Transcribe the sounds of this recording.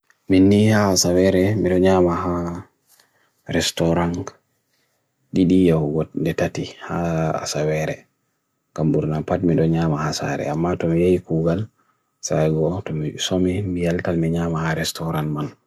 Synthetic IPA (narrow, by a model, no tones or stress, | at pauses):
minːihaːsawɛɾɛmiɗɔɲamaɦa | ɾɛstɔɾan | ɗiɗijawuɡɔndɛtatihaa̰sawɛɾɛ | kambuɾnapatmiɗɔɲamahasa̰ɾɛ̰amːatɔmijajikuɡal | sajɡɔtɔmisomimijaltalmiɲamahaɾɛstɔɾanman